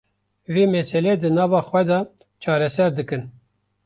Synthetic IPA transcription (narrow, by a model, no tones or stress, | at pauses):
veːmɛsɛlɛd̪ɨnɑːvɑːxwɛd̪ɑ | t͡ʃʰɑːɾɛsɛɾd̪ɨkɨn